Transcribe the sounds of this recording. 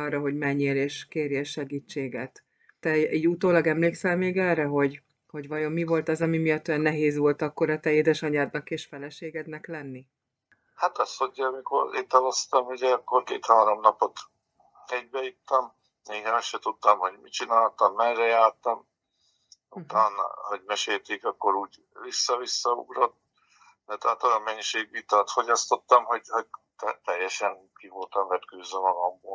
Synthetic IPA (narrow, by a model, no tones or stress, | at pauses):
ɒrːɒɦo̞ɟmɛɲːeːleːʃkeːɾjɛʃɛɡiːt͡ʃːeːɡɛt̪ː | ɛʔiːɟut̪oːlɒɡɛmleːksɛlmeːɡɛlrɛɦo̞ɟ | ho̞ɟʋɒjo̞mːivo̞lt̪ɒzɒmimijɒt̪ːøjɛnːɛɦeːzʋo̞lt̪ɒkːo̞ɾɒt̪ɛeːd̪ɛʃɒɲaːd̪nɒkeːʃfɛlɛʃeːɡɛd̪nɛklɛnːi | hat̪ɒsoɛmiko̰ɾet̪ːɒlost̪ɒmuɟɛkːorkḛːt̪haːɾomnɒpo̞t̪ | ɛɟ̚bɛjit̪ːɒm | eːɛɔsʃɛt̪ut̪ːɒmho̞ɟmit͡ʃinaːlt̪ɒmːɛnrɛjaːrt̪ɒm | uut̪aːnɒ̰ɦoɟmɛʃeːlt̪eːkɒkːo̞ɾuːɟ | visːɒvisːɒṵɡɾo̞t̪ | d̪̥ɛt̪ɛɦaːt̪ojɒmːɛɲːiʃeːɡʋit̪ɒːt̪fo̞ɟɒst̪o̞t̪ːɒmɦoɟhoɟ̚t̪ɛt̪ɛjːɛʃɛnkivolt̪ɒmvɛt̪køːzømɒɡɒmboː